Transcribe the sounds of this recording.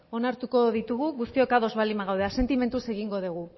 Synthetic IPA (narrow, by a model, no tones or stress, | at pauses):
o̞naɾt̪uko̞ð̞it̪uɣuɣust̪io̞kaðo̞zβalimaɣawð̞ease̞nt̪ime̞nt̪use̞ɣiŋɡo̞ð̞uɣ̞u